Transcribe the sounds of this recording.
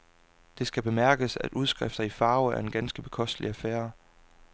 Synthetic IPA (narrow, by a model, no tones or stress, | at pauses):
d̥e̝sɡ̥æb̥e̝mæɐɡ̥əsæd̥ʔuð̞ˠsɡ̥ʁɛfd̥ɐifɑ̈ːʊæɐe̝nɡ̥ænsɡ̥əb̥e̝̥kʰɒ̽sd̥liæfæːɐ